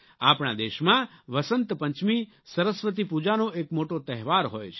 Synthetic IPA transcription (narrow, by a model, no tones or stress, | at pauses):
a̰pɳa̰d̪eʃmãʋəsənt̪pə̃ɲt͡ʃmi | səɾəsʋət̪̬ipud͡ʒanoʔekmoʈot̪əɦʋaɾɦo̰jt͡ʃʰ